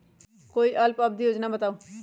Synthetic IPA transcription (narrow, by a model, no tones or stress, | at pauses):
koːiʔʌlpʌb̚d̪ʱijod͡znabʌt̪aːũ